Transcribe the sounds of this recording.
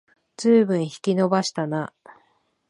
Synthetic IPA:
z̥ɨːbɯ̟̃ɰ̃çi̥kʲino̞baɕi̥t̪ana

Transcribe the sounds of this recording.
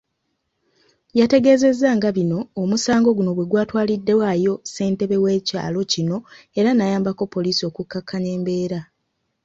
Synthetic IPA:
jate̞ɡe̞ːze̞zːaŋɡaβino̞ːmusaːŋɡo̞ɡuno̞βweɡwaːtwaːlidːe̞wajo̞se̞ːnte̞βe̞we̞ːca̰ːlo̞cino̞e̞ɾanajaːmbako̞pːo̞liːsio̞kukːakʰːaɲe̞ːmbe̞ːɾa

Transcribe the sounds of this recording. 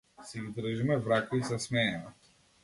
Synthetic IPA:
sid̪ɾəʒimɛvɾakuisasmɛːna

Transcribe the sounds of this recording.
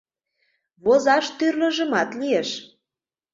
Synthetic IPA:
βozɑʃt̪yrlə̆ʒə̆mɑt̪lijeʃ

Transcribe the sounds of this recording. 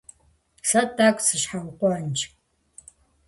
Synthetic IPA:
sɐdakʷʼsɨɕħawqʷɔnt͡ʃʰʼ

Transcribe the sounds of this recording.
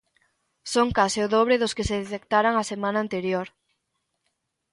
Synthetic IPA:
soŋkasɪʊðoβɾeðʊskeseðet̪ek̚t̪aɾaŋasemãnaːnt̪eɾjoɾ

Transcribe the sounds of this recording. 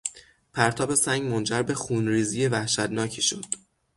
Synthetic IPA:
pʰæɾt̪ʰɒːbe̞sæŋɡmo̞nd͡ʒæɾbe̞xuːnɾiːzije̞væhʃæt̪nɒːcʰiʃud̪̥

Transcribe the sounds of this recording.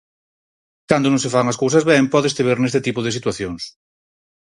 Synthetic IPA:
kand̪onõŋsefaŋaskows̬azβempɔðest̪eβeɾnest̪et̪ipoðesit̪waθjoŋs

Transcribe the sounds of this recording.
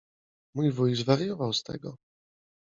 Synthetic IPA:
mujvujzvaɾjɔvawst̪ɛ̰ɡɔ

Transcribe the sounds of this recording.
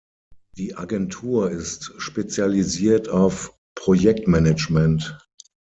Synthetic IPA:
d̥iːʔaɡɛntʰuːɐɪstʃpet͡sjaliziːɐtʰaʊf | pʁ̥ojɛk̚tmɛnɛt͡ʃmɛnt

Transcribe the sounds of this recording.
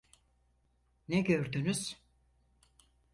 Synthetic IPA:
nɛɟøɾd̪ynyz̥

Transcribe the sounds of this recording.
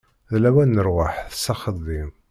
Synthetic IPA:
ðlæwænːəɾwaħθəsɑχəðˤːim

